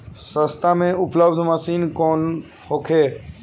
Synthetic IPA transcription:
sə̃st̪amẽʊpləbd̪ʱməsiːnkɔːn | hokʰe

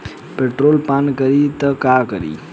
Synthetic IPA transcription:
peʈɾolpankəɾit̪əkakəɾḭ

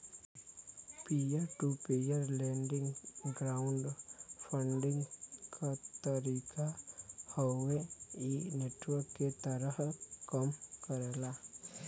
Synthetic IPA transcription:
pijəɾʈupejəɾlẽɳɖɪ̃ŋɡɡɾaʊɳɖpʰə̃ɳɖɪ̃ŋɡkʰat̪əɾiːkahoweineʈwəɾkːet̪əɾəhkəmkəɾla

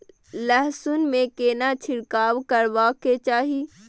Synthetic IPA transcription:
lɛɦsʊnmẽkeːnat͡ʃʰɪɽkaːwkəɾʋaket͡ʃaːɦi

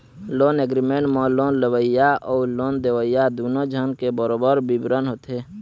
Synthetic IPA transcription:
loːneɡɾimeɳʈmɔ̃loːnləwəijaɔːloːnd̪ewəjad̪uːnod͡ʒʱənkebəɾoːbəɾbibɾənɦoːt̪eː

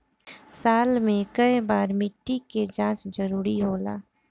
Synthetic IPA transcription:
saːlmẽkɐibaːɾmɪʈːiked͡ʒãːt͡ʃd͡ʒɐɾuːɾiɦoːla̰ː

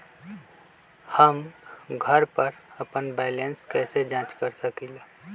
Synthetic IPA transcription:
həmɡʱəɾpəɾəpənbɛːlenskɛːsed͡ʒãːt͡ʃkəɾsəkil

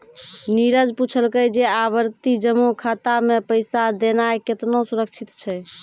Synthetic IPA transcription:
niɾəd͡ʒput͡ʃʰəlkəjd͡ʒeaβəɾt̪id͡ʒəmːukʰat̪amepəjsad̪enaeket̪nosuɾək̚t͡ʃʰit̪t͡ʃʰɛ

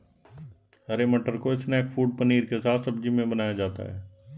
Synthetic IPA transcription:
ɐɾeməʈəɾkoɪsneeːkfʰuːɖ̚pəniːɾkesaːt̪ʰsɐbd͡ʒimẽbənaːjad͡ʒaːt̪a̰ɦɛ̰ː

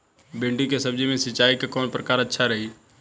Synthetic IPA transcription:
bẽɳɖikesəb̚d͡ʒimẽsɪt͡ʃaːikekɔːnpɾəkaːɾətːʃʰaɾəɦi

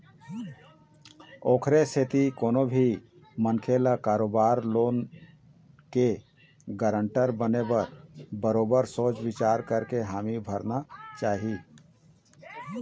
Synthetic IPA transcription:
oːkʰɾesʰet̪ikoːnobʱi | mənkʰelakaːɾoːbaːɾloːn | ke | ɡəɾəɳʈəɾbənebəɾbəɾoːbəɾsoːt͡ʃwɪt͡ʃaːɾkəɾkeɦaːmibʱəɾnat͡ʃaːɦi

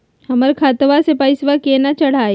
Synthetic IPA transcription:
hɐməɾkʰaːt̪ʋasepaːɪsʋakeːnat͡ʃɐɽ̤aːe

